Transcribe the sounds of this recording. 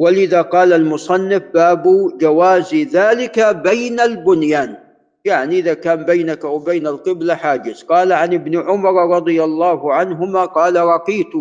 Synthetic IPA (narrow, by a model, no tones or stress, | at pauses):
wɪlʔɪðaqɑːlalmʊsˤɑnːɪfbaːbud͡ʒawaːzðaːlɪkabajnalbʊnjaːn | jaʕniʔɪðakaːmbajnakawbajnalqɪblaħaːd͡ʒɪsqɑːlaʕanɪbnɪʕʊmɑɾˤɾˤɑd̪ˤɨjalˤːɑːhʊʕanɦʊmaqɑːlaɾˤɑqiːt̪ʊ